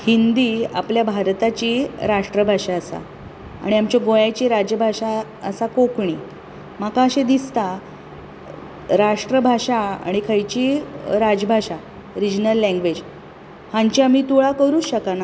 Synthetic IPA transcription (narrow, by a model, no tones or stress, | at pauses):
hind̪ia̰pljabʱaɾt̪at͡ɕiːɾaʂʈɾəbʱaʂaəsa̰ | a̰ɽ̃iamt͡ɕjaɡojajt͡ɕiːɾad͡ʑjəbʱaɕa | əsakokɳi | makãəɕed̪ist̪a | ɾaʂʈɾəbʱaɕaa̰ɽ̃ikʰəjt͡ɕiɾad͡ʑəbʱaɕa | ɾid͡ʑnəlːɛ̃ŋɡʋed͡ʑ | hãɲt͡ɕiamiːt̪uɭakəɾuːɕəkana